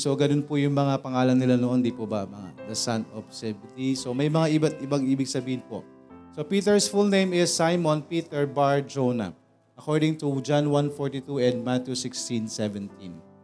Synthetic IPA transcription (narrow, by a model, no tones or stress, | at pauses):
so̞ɡɐnonpʊjʊŋmɐŋapɐŋaːlɐnːɪlanoʔond̪ipʊbɐmɐŋa̰d̪ɐsanɔfsɛbɪt̪isomɐjmɐŋaʔɪbat̪̚ʔɪbaŋʔiːbɪɡsɐbiːhɪnpo̞̰ʔ | so̞piːt̪ɛɹsfulnẽjmɪsːajmonpiːt̪ɛɹbaɹd͡ʒonɐ̰ | ʔɐkoɹd̪ɪŋt̪ud͡ʒanwanfoɹt̪it̪uɛnd̪̚mat̪jusɪkst̪ĩnsɛvɛnt̪ʰĩn